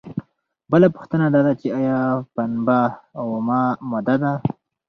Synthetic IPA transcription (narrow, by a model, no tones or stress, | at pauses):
bəlapʊ̥xt̪ənad̪ɑd̪at͡ʃeɑjɑpanbawmɑmʊd̪ad̪a